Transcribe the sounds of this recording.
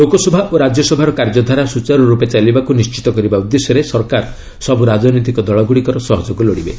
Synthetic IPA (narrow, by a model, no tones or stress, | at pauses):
lokɔsɔbʱaʔoɾad͡ʒjɔsɔbʱaɾɔkaɾd͡ʒɔd̪ʱaɾasut͡ʃaɾɔɾupet͡ʃalibakunist͡ʃi̥t̪ɔkɔɾibaud̪ːesjɔɾesɔɾkaɾ | sɔbʱuɾad͡ʒɔnit̪ikɔd̪ɔɭɔɡuɽikɔɾɔsɔɦɔd͡ʒɔkulɔɽibe